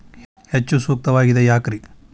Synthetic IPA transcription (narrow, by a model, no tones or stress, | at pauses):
het͡ʃːusuːk̚t̪ɐʋaːɡid̪ɐjaːkɾi